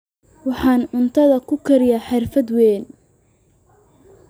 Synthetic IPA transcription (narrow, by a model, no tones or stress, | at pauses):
wɑħɑːnʊnt̪ʰɐðɐkʰʊkʰɐɾɪjaħɑrfɐd̪wɛːn